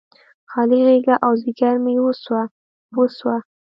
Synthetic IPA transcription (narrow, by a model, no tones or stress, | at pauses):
xɑliɣeɡaʔawzɪɡaɾmɪwoswa | woswa